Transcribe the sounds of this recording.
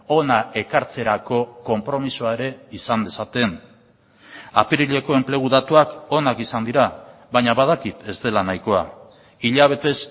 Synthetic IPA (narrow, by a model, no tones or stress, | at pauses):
o̞nae̞kaɾt͡se̞ɾako̞ko̞mpɾo̞misuae̞ɾe̞isand̪e̞sat̪e̞n | a̰piɾiʎe̞ko̞e̞mple̞ɣ̞uðat̪uako̞nakisand̪iɾaβaɲaβað̞akit̪e̞zd̪e̞lanajko̞a | iʎaβ̞e̞t̪e̞s